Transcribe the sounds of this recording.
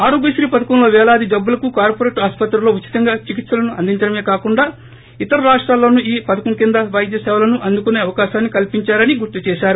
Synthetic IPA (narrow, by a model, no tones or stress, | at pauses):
aːɾuːɡisɾiːpɐd̪ɐkɐmlo̞ːʋɛːlaːd̪id͡ʒɐbːulɐkukaːɾpoːɾeːʈaːspɐt̪ɾulo̞ːut͡ʃːi̥t̪ɐŋɡaːt͡ʃikit̪sɐlɐnuɐnd̪iɲt͡ʃɐɽɐme̞ːkaːkuɳɖaː | it̪ɐɾɐɾaːʂʈɾaːlo̞ːnuiːpɐd̪ɐkɐmkind̪ɐʋɐjd̪ʱjɐsɛːʋɐlɐnuʔɐnd̪ukuneːɐʋɐkaːʃaːnːikɐlpiɲt͡ʃaːɾɐniɡuɾt̪ut͡ʃɛːʃaːɾu